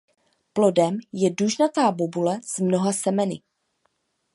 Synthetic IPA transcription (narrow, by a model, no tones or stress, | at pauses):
plo̞dɛmjɛduʒnat̪aːbobulɛz̥mno̞ɦasɛmɛnɪ̰